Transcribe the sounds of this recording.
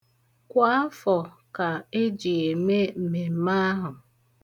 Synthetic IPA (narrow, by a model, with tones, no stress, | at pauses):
kʷa˦a˦fɔ˨ | ka˨e˦d͡ʒi˨e˨me˦m̩˨me˨m̩˦ma˦a˦ɦʊ˨